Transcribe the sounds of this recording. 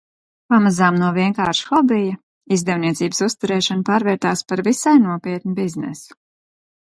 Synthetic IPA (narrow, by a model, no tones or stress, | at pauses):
pamazaːmnuɔviɛŋkaːɾʃxɔbijɐ | izd̪ɛwniɛt̪siːbəsust̪uɾɛːʃanpaːɾvɛːɾt̪aːspaɾvisajnuɔpiɛt̪nubiznɛ̰su̥